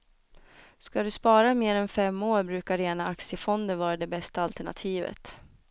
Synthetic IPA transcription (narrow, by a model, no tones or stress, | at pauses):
skad̪ɵspɑːɾameːɾɛnfɛmːoːɾbɾʉ̟ːkaɾeːnaaksɪjəfɔnd̪ənvɑːɾad̪ɛbɛst̪aalt̪ɛɳa̰t̪ʰiːvə̰t̪